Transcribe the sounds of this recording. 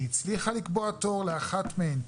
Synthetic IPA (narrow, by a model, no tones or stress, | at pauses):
it͡sliχalikboato̞ʁleaχatmeen